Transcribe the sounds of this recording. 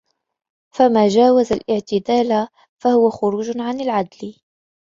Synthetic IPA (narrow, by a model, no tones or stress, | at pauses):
famaːd͡ʒaːwazalʔɪʕt̪ɪd̪aːla | fahʊwaxʊɾuːd͡ʒʕanalʕad̪l